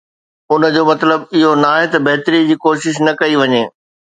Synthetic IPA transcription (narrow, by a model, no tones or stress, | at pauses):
ʊnə̆d͡ʑoːmɐt̪ləbɪɦonaːɦet̪ɐbɐɦt̪ɾid͡ʑiːkoːʃɪʃ̬nɐkɐiʋɐɲeː